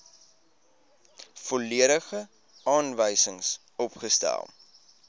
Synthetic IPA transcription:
fɔliəɾəχə | ɑːnvəjsəŋs | ɔpχəstæ̰lˠ

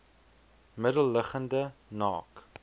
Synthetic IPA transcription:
mədəlˠːəχəndənɑːk

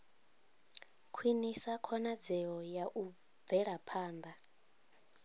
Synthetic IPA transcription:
kʰwinisakʰɔnad͡zɛɔjaʔu | b̪vɛɺapʰaːnd̪a

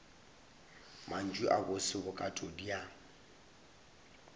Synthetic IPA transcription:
mʔan̩d͡ʒwiʔabʊsɪbʊkʼatʼodia

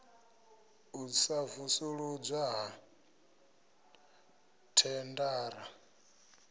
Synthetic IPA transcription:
usavusuɺud͡zʷaɦa | tʰɛndaːɾa

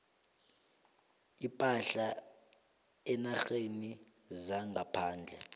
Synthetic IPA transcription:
ipʼaɬa | ɛnaxeni | zaŋɡapʰaːnd͡ɮʱɛ

